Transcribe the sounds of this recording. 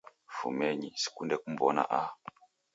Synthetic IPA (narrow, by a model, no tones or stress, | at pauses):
fṵmɛɲisi̥kundɛkum̩bɔna̰ʔa